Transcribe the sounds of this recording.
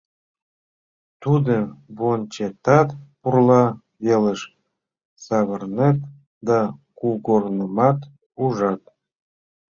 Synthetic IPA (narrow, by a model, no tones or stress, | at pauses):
t̪ud̪ə̆bont͡ɕet̪ɑt̪purlˠɑ | βeləʃ | sɑβərnet̪̚ | d̪ɑkuɡornə̆mɑt̪ | uʒɑt̪̚